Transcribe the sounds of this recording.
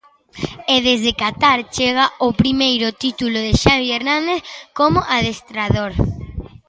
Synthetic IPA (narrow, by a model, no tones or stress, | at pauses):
eðezðekat̪aɾt͡ʃeɣaopɾimejɾʊt̪it̪uloðeʃaβieɾnãnd̪eθkomoʔaðest̪ɾaðoɾ